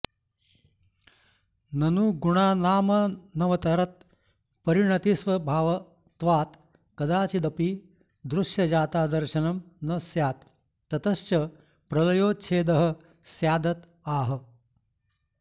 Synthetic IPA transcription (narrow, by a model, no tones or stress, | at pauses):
nɐnuːɡuɳaːnaːmɐnɐʋɐt̪ɐɾɐt̪̚ | pɐɾiɳɐt̪isʋɐbʱaːʋɐ | t̪ʋaːt̪ | kɐd̪aːt͡ʃid̪ɐpiː | d̪ɾuʂjɐd͡ʑaːt̪aːd̪ɐɾɕɐnɐmnɐsjaːt̪ː | ɐt̪ɐst͡ʃɐ | pɾɐlɐjoːt͡ʃʰeːd̪ɐɦə̆ | sjaːd̪ɐt̪ | aːɦə̆